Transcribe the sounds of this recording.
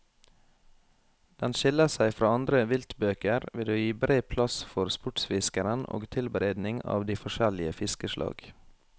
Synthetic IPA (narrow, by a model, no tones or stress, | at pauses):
d̪̥ɛnʃɪləsæɪfɾɑːɑnd̪ɾəʋɪlt̪bøːkəɾʋɪlʉːjiːbɾeːpʰlɑsfɔɾspʊʈsfɪskəɾəno̰ːɡt̪ʰɪlbəɾæɪd̪nɪŋɑ̰ːʋd̪iːfɔʃɛlɪəfɪskəʃlʔɑ̰ːɡ̥